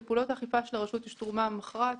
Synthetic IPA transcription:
puːlo̞taːχifaʃelaʁaʃutjeʃtʁumamaχʁa

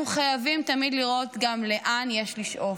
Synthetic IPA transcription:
uχajavimtamidliʁo̞t̪ɡamle̞ʔanjeʃliʃʔo̞

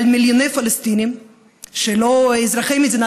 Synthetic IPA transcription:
lmiljonejfalɪst̪inim | ʃeloizɾaχimizina

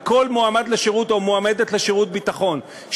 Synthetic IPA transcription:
ko̞lmoamad̪leʃeʁut̪o̞moame̞d̪et̪leʃeʁut̪̚bit̪aχo̞n | ʃ

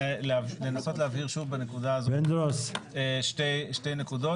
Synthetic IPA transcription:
lale̞naso̞tleaviʁʃuvbane̞kudaːzoend̪ɾoseʃtejʃte̞jne̞kudo̞

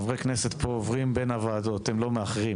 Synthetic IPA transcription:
vʁekneset̪poːvʁimbenavaːd̪ot̪emlo̞meaχʁi

